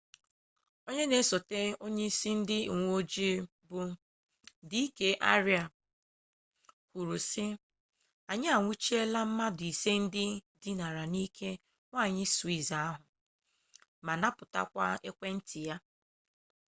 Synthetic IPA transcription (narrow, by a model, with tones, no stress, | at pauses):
o˦ɲe˦ne˨˦so˨te˦o˦ɲe˦i˦si˦n̩˦dɪ˦˨ŋʷo˦d͡ʒi˦ | bʊ˦ | di˦i˦ke˦ʔa˦ɾja˨ | kʷu˨ɾu˨sɪ˦ | a˨ɲɪ˦a˨ŋʷu˦t͡ʃi˦e˦la˦m̩˦ma˦dʊ˨i˨se˦n̩˦dɪ˦di˦na˨ɾa˨ni˦kʰe˦ | ŋʷa˦˨ɲɪ˦su˨i˦˨za˨a˦ɦʊ˨ | ma˨na˦pʊ˨ta̰˦kʷa̰˦e˦kʷe˦n̩˦tɪ˨ja˦